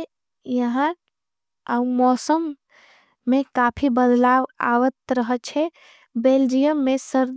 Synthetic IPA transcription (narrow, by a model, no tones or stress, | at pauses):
jəɦã | əumɔːsəmː | ekaːpʰibəd̪laʋa̰ʋət̪ɾəɦət͡ʃʰɛ | beld͡ʒijəmːẽsəɾd̪